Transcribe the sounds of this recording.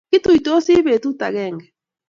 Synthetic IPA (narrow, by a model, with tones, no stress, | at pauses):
ki˦tu˨i˨to˦si˦βe˨tu˦ta˨ɣɛ˦˨ŋɡɛ˨